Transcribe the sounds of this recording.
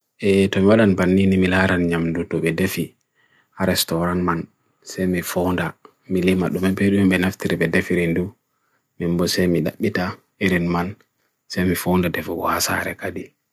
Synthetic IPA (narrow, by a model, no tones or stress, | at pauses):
ʔɛtɔmiwaɗanbanːinimilaɾanɲamdutɔɓɛdefi | aɾɛstɔɾanman | sɛjmifɔnda | milimaɗumɛbeɗumɛmɓɛnaftiɾiɓɛdefiɾindu | mimbɔsɛjmiɗaɓːita | eɾinman | sɛjmifɔndadɛfɡɔhasa̰ɾɛ̰kadi